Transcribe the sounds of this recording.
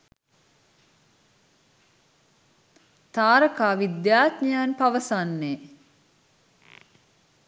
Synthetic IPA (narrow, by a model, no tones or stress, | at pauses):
t̪aːɾəkaːʋid̪jaːt̪ɲijanpaʋəsanːe